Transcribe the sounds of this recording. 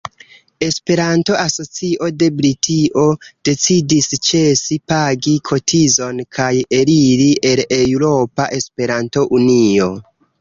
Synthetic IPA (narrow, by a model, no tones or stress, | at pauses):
e̞spe̞ɾanto̞ʔaso̞t͡siʔo̞de̞bɾitʰiʔo̞d̥e̞t͡sidist͡ʃe̞sipaɡikʰo̞tʰizo̞nkʰajeɾiɾiʔe̞lewɾo̞paʔe̞spe̞ɾanto̞ʔunio̞